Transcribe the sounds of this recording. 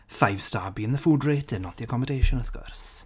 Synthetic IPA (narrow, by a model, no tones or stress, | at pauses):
fajv̥staːbiə̃nðəfuːdretʰɪnɔθiəkʰɔmədejʃənəθɡ̥ɔ̰rs